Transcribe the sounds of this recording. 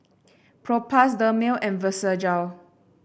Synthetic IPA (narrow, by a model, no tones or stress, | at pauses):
pʰɹopʰasdəmelʔɛ̃nvəsəd͡ʒaw